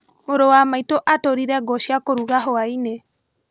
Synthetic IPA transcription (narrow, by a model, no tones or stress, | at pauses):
moɾowamaitoʔatoɾiɾɛɡɔʃiakoɾuɣaɦoaine